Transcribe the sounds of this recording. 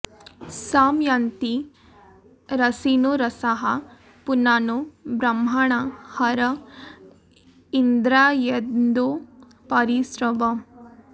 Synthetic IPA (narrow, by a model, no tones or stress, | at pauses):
saːmjaːnt̪i | ɾɐsinuɾɐsaɦɐ | punaːnubɾɐm̤aɳahɐɾɐ | ind̪ɾaːjed̪nd̪o | pɐɾisɾɐʋɐ